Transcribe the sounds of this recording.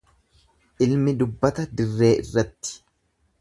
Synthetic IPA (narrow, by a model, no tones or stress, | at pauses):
ʔɪlmɪd̪ʊbːɐt̪ɐd̪ɪrːe̞ːʔɪ̰rːɐt̪ːɪ̥